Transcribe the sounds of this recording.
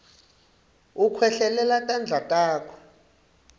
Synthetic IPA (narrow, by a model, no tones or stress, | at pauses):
ukʰwɛɬɛlɛlatʼand͡ɮʱatʼaːkʰɔ̥